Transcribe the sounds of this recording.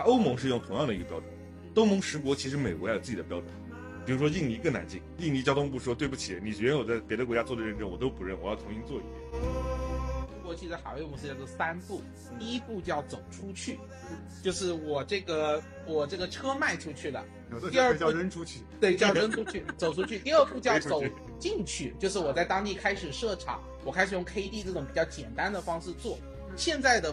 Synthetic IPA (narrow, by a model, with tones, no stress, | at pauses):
a˥o˥ʊmʊ˧˥ŋʂɻ̩˧jʊ˥˩ŋt̪ʰʊ˧˥ŋjɑ˥˩ŋd̪i˧˥ɡə˧pjɑ˥ʊʈ͡ʂu˨˩˦ | o˥ʊmʊ˧˥ŋʂɻ̩˧˥k̬wɔ˧˥t͡ɕʰi˧˥ʂɻ̩˧˥me˨˩ɪkwɔ˧˥˩j̰t͡s̩˥˩t͡ɕ̪ə˧pjɑ˥ʊʈ͡ʂu˨˩˦n | pi˨˩ɻu˧˥ʂwɔ˥i˥˩ŋli˧˥kə˥˩na̰˧˥nt͡ɕi˥˩ŋi˥˩ŋli˧˥t͡ɕjɑ˥ʊt̪ʊ˥ŋp̬u˥˩ʂwɔ˥t̪we˥˧ɪbu˥˩t͡ɕʰi˨˩˥ni˨˩ʂɛ˧˥ɥɛ˧˥n˥wɔ˨˩t͡sa˥˩ɪpjɛ˧˥ɾə˧kwɔ˧˥t͡ɕja˥t͡swɔ˥˩ə˩ɻə˥˩nʈ͡ʂə˥wɔ˨˩t̪o˥ʊpu˧˥ɻə˥˩nwɔ˨˩jɑ˥˩ʊt̪ʰʊ˧˥ŋɕi˥nt͡swɔ˥˩ḭ˧˥˩d̪jɛ̰˨˩˦n̩˥˩˥tʰʊ˥ŋkwɔ˧˥t͡ɕʰi˧˥ʂɻ̩˧˥xm˧˥s̩˥˧t͡ɕjo˥˩sa˥npu˥˩˧ | pu˥˧t͡ɕjɑ˥˩ʊt͡so˨˩ʊʈ͡ʂʰu˥t͡ɕʰy˥˩ | t͡ɕjo˥˧ʊʂɻ̩˥˩wɔ˨˩ʈ͡ʂɤ˥˩ɡə˩ | wɔ˨˩ʈ͡ʂɤ˥˩ɡə˩ʈ͡ʂʰɤ˥ma˥˩ɪʈ͡ʂʰu˥t͡ɕʰy˥˩d̪ə̰˩ | t̪i˧ə˞˥˧˥ə˥nʈ͡ʂʰu˥˧t̪we˥˩ɪt͡ɕjɑ˥ʊɻə˥nʈ͡ʂʰu˥t͡ɕʰy˥˩t͡so˨˩ʊʈ͡ʂʰu˥t͡ɕʰy˥˧t̪i˥˧ə˞˥˧pu˥˧t͡ɕjɑ˥˩ʊt͡so˨˩˦ʊ | t͡ɕi˥˧ŋt͡ɕʰy˥˩t͡ɕjo˥˧ʊʂɻ̩˥˩wɔ˨˩t͡sa˥˩ɪt̪ɑ˥ŋt̪i˥˩kʰa˥ɪʂɻ̩˨˩ʂɤ˥˩ʈ͡ʂʰɑ̰˨˥˦ŋ | wɔ˨˩kʰa˥ɪʂɻ̩˨˩jʊ˥˩ŋkʰe˥ɪt̪i˥˧ʈ͡ʂɤ˥˩ʈ͡ʂʊ˧˥ŋpi˨˩t͡ɕjɑ˥˩ʊt͡ɕjɛ˨˩nt̪a˥nd̪ə˨fɑ˥ŋʂɻ̩˥˧t͡swɔ˥˩ | ɕjɛ˥˧nt͡sa˥˩ɪd̪ə˩